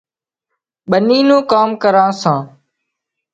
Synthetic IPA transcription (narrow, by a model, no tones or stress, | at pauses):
ɓəniːnũːkaːmkəɾãːsãː